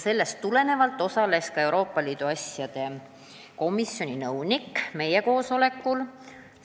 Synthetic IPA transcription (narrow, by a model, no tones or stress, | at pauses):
se̞lːest̪ːule̞ne̞vɑlt̪ːˑo̞sɑle̞skɑe̞uɾo̞ːpːˑɑliːd̪̥uɑsʲjɑd̪̥e̞ | ko̞misjo̞nʲinɤwnikːme̞jeko̞ːso̞le̞kːˑul